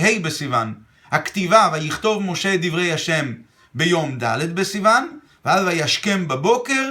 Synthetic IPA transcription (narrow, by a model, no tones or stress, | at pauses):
ɦejbesivan | hakt̪ivavajiχt̪o̞vmo̞ʃed̪ivʁe̞jhaʃe̞m | bejo̞md̪a̰led̪̚besivan | valvajaʃkembabo̞ke̞ʁ